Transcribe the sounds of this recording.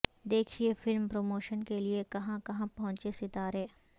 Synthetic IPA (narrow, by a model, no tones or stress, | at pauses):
d̪eːkʰiefɪlmpɾoːmoːʃənkeliekɐɦãkɐɦãpɐɦʊ̃t͡ʃesɪt̪aːɾeː